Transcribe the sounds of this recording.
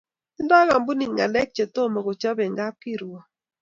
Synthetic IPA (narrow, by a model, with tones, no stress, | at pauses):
dɔ˦ɣa˨m˦bu˦ni˨ŋɡa˨lɛ˦k̚t͡ʃe˨to˦˨mɔ˨ko˨t͡ʃɔ˦bɛ˨ŋɡa˦p̚ki˦˨ɾɔ˨